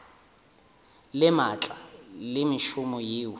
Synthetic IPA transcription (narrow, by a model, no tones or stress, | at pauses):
lɪmat͡ɬʼalɪmɪʃumɔjiːwʊ